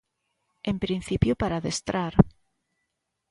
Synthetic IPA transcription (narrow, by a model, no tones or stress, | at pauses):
empɾin̟θipjopaɾaðest̪ɾaɾ